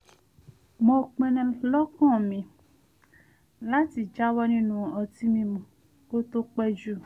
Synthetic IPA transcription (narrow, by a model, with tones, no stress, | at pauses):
mɔ̃˧k͡pẽ˧nũ˧lɔ˦kɔ̃˦˨mĩ˧ | la˦ti˨d͡ʒa˦wɔ˦nĩ˦nũ˦ɔ˧ti˦mĩ˧mũ˧ | o˦to˦k͡pɛ˦d͡ʒu˦˨